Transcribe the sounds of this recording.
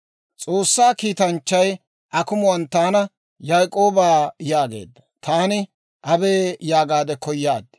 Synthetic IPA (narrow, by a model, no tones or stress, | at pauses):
t͡sʼo̞ːsːaːkiːt̪ɐnt͡ʃːɐj | ʔɐkʊmʊwɐnt̪aːnɐ | jɐjkʼo̞ːbaːjaːɡe̞̰ːd̪ːɐ̥t̪ʰaːnɪ | ʔɐbe̞ːjaːɡaːd̪ɛkɔjːaːd̪